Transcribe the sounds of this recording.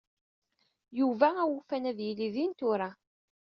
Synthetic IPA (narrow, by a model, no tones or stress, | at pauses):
juvææwufænæðjiliðint̪ʊɾˤa